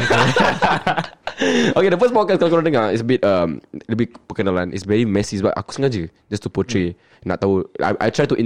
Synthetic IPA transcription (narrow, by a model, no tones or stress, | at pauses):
okedəfəsbɔkaskalkɔnanə̃ŋaitsəbit̚ʌmlubipəkənalãnḭtsvɛɹimɛsisba̰ʔa̰ko̥sə̃ŋad͡ʒə | d͡ʒastupɔtʰɹe | na̰t̪aua̰ʔa̰jtʰɹajtuʔĩ